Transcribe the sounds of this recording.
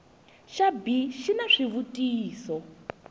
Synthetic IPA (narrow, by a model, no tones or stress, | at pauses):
ʃabiʃinaʂiβutiːsɔ